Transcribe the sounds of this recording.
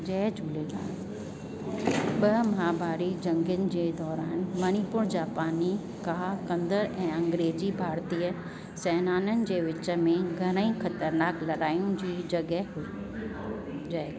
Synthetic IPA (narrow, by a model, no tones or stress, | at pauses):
d͡ʑɛːd͡ʑʱuːleɡa̰ː | ɓɐmaːbaːɾid͡ʑɐ̃ŋɡənɪ̆d͡ʑeːd̪ɔːɾaːnmɐñipʊɾd͡ʑaːpaːni | kaːkɐ̃nd̪əɾɛ̃ːɐ̃ŋɡɾeːzibʱaːɾt̪iːə | sɛːnaːnənɪ̆d͡ʑeːʋɪt͡ɕə̆mẽɡʱɐɾ̃ə̃ĩxɐt̪əɾnaːklɐɾaːijũd͡ʑiːd͡ʑɐɡəɦɦui | ae